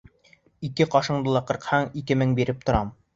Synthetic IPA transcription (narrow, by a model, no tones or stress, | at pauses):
ikɘqɒʃɤ̆ɴd̪ɤ̆lˠɑqɤ̆ɾqhɑɴikɘmɘŋbiɾɘp̚t̪ŏɾɑm